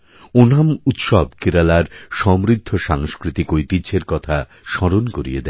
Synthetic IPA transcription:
onamut̪ʃɔbkeɾalaɾʃɔmɾid̪ʱːoʃaŋskɾit̪ikojt̪iɕʰeɾkɔt̪ʰa | ʃɔɾonkoɾḭed̪ɛ

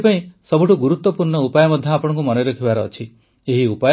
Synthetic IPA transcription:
paĩsɔbuʈuɡuɾut̪wɔpuɾɳɔupajɔmɔd̪ʱjɔapɔɽ̃ɔ̃ŋkumɔnɔjɾekʰibaɾɔːt͡ʃʰi | eɦiupaj

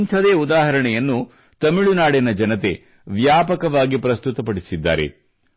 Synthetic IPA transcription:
nt̪ʰɐd̪eːud̪aːɦɐɾɐɳɛjɐnːu | t̪ɐmiɭunaːɽenɐd͡ʒɐnɐt̪e | ʋjaːpɐkɐʋaːɡipɾɐst̪ut̪ɐpɐɽisid̪ːa̰ːɾḛ

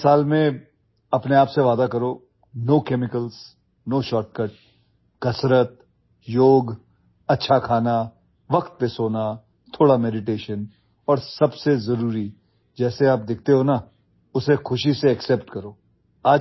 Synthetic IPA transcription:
saːlmẽ | ɐpneaːpseʋaːd̪akɐɾoː | noːkeːmɪkəls | noːʃɔːʈ̚kəʈ̚ | kɐsɾət̪̚ | joːɡ | ɐtːʃʰakʰaːna | ʋɐkt̪̚pesoːna | t̪ʰoːɽamɛːɖɪʈeːʃən | ɔːɾsɐbsezɐɾuːɾi | d͡ʒɛːseaːp̚d̪ɪk̚ʰt̪eɦoːna | ʊsexʊʃiseɛksɛːpʈkɐɾoː | aː

